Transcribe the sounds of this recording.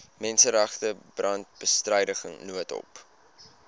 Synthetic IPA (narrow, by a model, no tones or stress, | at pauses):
mɛnsəɾɛχtəbrɐnt̚b̥əstrəjdəχəŋnuətɔ̰p